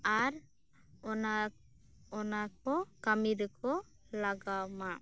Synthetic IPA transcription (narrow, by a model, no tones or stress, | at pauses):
aɾ | ɔna | ɔnakɔkamiɾkɔ | laɡamaʔ